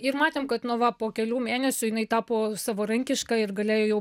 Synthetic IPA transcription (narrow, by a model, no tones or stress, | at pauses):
ɪrmɑːt̪ʲeːmkɐt̪nʊʋɐpoːkʲɛlʲuːmʲeːnʲɛsʲʊjɪnɐɪt̪ɑːpoːsɑʋoːɾɐŋʲkʲɪʃkɑɪrɡɐlʲeːjoːjɛʊ